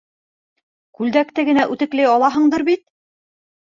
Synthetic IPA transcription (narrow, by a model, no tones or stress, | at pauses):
kʉld̪ækt̪ɘɡɘ̆næʔʉt̪ɘ̆klæjɑlˠɑɦɤ̆ɴd̪ɤɾbit̪̚